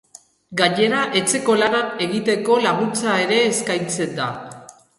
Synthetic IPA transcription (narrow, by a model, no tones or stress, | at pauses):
ɡaɲe̞ɾaʔe̞t͡se̞ko̞laɾane̞ɣit̪e̞ko̞laɣunt͡sae̞ɾe̞ːskajnt͡se̞nd̪a̰